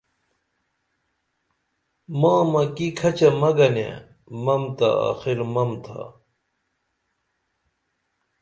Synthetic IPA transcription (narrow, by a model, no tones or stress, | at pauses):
mãːmɐkikʰɐt͡ɕɐmɐɡɐnḛ | mɐmt̪ɐ̰a̰ːxiɾmɐmt̪ʰa̰